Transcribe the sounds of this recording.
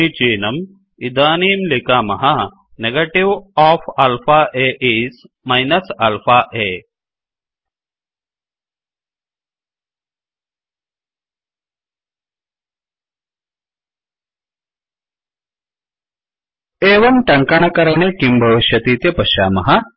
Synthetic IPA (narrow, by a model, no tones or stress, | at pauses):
it͡ʃiːnɐm | id̪aːniːmlikaːmɐɦɐ | neɡɐʈiʋɔːfɐlfʰaːʔeːʔiːs | mɐjnɐsɐlfaːʔeː | eːʋɐmʈɐŋkɐɳ̃ɐkɐɾɐɳeːkimbʱɐʋiʃjɐt̪iːt̪jɐpɐʃa̰ːmɐɦɐ